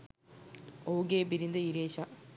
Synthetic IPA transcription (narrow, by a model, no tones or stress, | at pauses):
oːɡeːbiɾind̪ɐiɾeːɕɐ